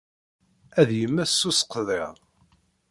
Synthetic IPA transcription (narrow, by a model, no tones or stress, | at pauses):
æðjəmːæsːusqːðˤḛʁˤ